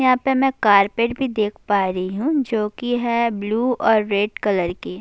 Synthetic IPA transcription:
jɐɦãːpemɛ̃kaːɾpeːʈbʱid̪eːkʰpaːɾɦiɦũd͡ʒoːkiɦɛbluːɔːɾːeːɖkɐləɾkeː

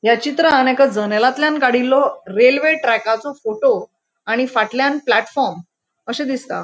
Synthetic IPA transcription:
jat͡ɕit̪ɾəːnekad͡zənelat̪ljãnkaɽ̤ilːɔɾelʋeʈɾɛkat͡sɔfoʈo | aɽ̃ifaʈljanplæʈfɔɾm | əɕẽd̪ist̪a̰

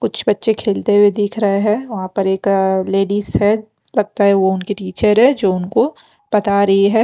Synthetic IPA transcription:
kʊt͡ʃʰbɐtːʃekʰeːlt̪eɦuwed̪ɪːkʰɾɐɦeɦɛ̃ːʋɐɦãpɐɾeːkleːɖiːsɛ | lɐɡ̚t̪aɦɛʋoʊnkiʈiːt͡ʃəɾɦɛ̃d͡ʒoːʊnko | pɐt̪aɾɐɦiɦɛː

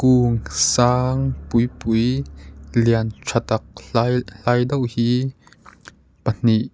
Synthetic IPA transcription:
kuːŋsaːŋpujpuj | liant͡sʰat̪ɐk̚ajɬajdowʔhiː | pən̥iʔ

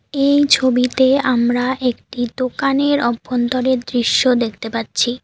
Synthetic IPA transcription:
ejt͡ɕʰobit̪eamɾaʔekʈid̪okaneɾɔbʱːont̪oɾeɾd̪ɾiʃːod̪ekʰt̪epatːɕʰi

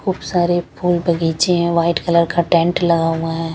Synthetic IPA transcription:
kʰuːbsaːɾepʰuːlbʱɐɡiːt͡ʃeɦɛ̃ʋaːɪʈkɐləɾkaʈɛ̃ɳʈlɐɡãːãɦɛ̃ː

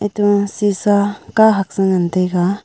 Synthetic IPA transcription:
et̪usisakaɦak̚sɯnant̪eka

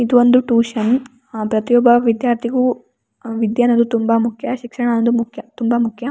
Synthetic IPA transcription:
id̪uʋond̪uʈuːʃɐn | pɾɐt̪ijɔbʱɐʋid̪jaːɾt̪ʰiɡu | ʋid̪jɐnɐd̪ut̪umbɐmukʰjɐʃikʂɐɳɐnɐd̪umukʰjɐt̪umbɐmukʰjɐ

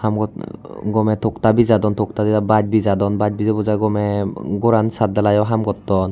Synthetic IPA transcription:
hamɡɔɡɔmɛtʰɔktabizadɔntʰɔk̚tadizabad͡ʒ̚bizadɔnbad͡ʒ̚bizabɔzaɡɔmɛɡɔɾansadalajɔɦamɡɔtːɔn

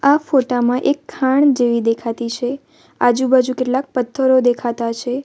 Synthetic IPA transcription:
afoʈamãʔekʰːaɳ̃d͡ʒeʋid̪ekʰat̪it͡ʃʰe | ad͡ʒũbad͡ʒʱũkeʈlak̚pət̪ʰːəɾod̪ekʰat̪at͡ʃʰe

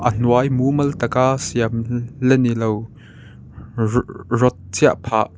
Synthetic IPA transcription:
ʔən̥uajmumɐlt̪ɐkaʔsiamlɛnilow | rɔt̪̚t͡sʰiaʔpʰaʔ

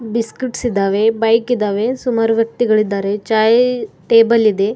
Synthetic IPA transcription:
biskiʈsid̪aːʋe̞bɐjkid̪aːʋe̞sumaːɾuʋjɐk̚t̪iɡɐɭid̪ːaːɾe̞t͡ʃaːjʈeːbɐlid̪e̞

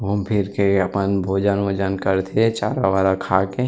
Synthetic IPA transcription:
ompʰɪɾkeɐpənbʱoːd͡ʒanʋoːd͡ʒənkəɾt̪ʰet͡ʃaːɾaʋaːlakʰaːke

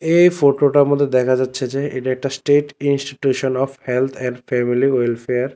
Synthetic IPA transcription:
ejfoʈoʈaɾmod̪ʱːed̪ɛkʰad͡ʑatːɕʰed͡ʑeeʈaek̚ʈasʈeʈinsʈiʈjuʃonɔfhelt̪ʰɛnɖfɛmiliɔjlfeaɾ

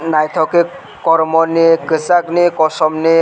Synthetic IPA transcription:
najt̪ʰɔke | kɔɾmɔnikɯsaknikɔsɔmni

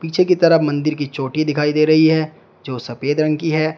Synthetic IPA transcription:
piːt͡ʃʰekit̪ɐɾəmɐ̃nd̪ɪɾkit͡ʃoːʈid̪ɪkʰaːid̪eːɾɐɦiɦɛː | d͡ʒoːsɐpeːd̪ɾə̃ŋkiɦɛː

